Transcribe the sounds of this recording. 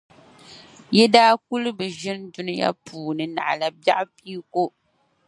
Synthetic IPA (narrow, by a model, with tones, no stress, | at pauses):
jɛ˦daː˦k̚u˦lɨ˦bɨ˨ʒɪ˦ndu˦nɨ˦ja̰˦pʰuː˨nɨ˨na̰˨ʔla˦ba˦ʔpi˦ko˦